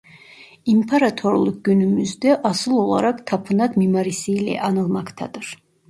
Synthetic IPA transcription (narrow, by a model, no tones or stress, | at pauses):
impʰaɾat̪ʰoɾlˠuk̚ɟynymyzd̪ɛʔɑsɯlˠo̞lˠa̰ɾakt̪ʰapʰɯnat̪mimaɾisiːlɛ̰ʔɑnɯlˠmakt̪ʰa̰d̪ɯɾ̥